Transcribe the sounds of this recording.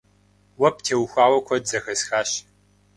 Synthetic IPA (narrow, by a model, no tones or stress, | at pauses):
wɐptʰeːwxʷaːwɐkʷʰɔdzɐxɐsxaːɕ